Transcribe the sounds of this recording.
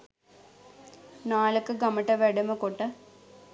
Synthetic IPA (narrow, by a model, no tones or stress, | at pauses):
naːlɐkːɨɡɐmɐʈːɐʋeɽɐmɨkoʈːɨ